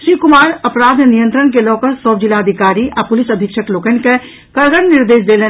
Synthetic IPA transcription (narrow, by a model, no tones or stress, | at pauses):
ʃiːkʊmaːɾɐpɾaːd̪nijə̃nt̪ɾənk̬elɔːkəɾsɔːbd͡ʒɪlaɐd̪ʱɪkaːɾiʔapʊlɪsɐd̪ʱɪkʃəkloːkənke | kɐɾɡəɽnɪɾd̪eːʃd̪eːle